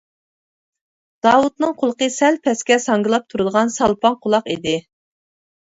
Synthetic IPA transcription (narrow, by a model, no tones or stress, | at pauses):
d̪̥ɑːwut̪nɨŋqʰʊlˠəqəsɛlpʰɛskʲɛsɑŋɡɨlˠɑp̚t̪ʰuɾud̪əʁɑnsɑlˠpɑŋqʰʊlˠɑqid̪ɪ